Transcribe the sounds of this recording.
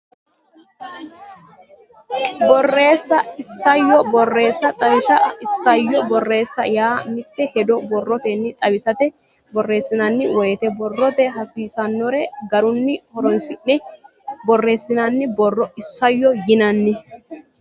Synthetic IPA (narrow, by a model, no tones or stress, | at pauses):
bɔrːe̞ːsːɐɪsːɐjːɔbɔrːe̞ːsːɐt̪ʼɐwɪʃɐɪsːɐjːɔbɔrːe̞ːsːɐjaːmɪt̪ːɛhɛd̪ɔbɔrːɔt̪ɛnːɪt̪ʼɐwɪsɐt̪ɛ | bɔrːe̞ːsːɪnɐnːɪwɔjɛt̪ɛbɔrːɔt̪ɛɦɐsiːsɐnːɔɾɛɡɐɾʊnːɪhɔɾɔnsɪʔːɛ | bɔrːe̞ːsːɪnanːɪbɔrːɔɪsːɐjːɔjɪnɐnːɪ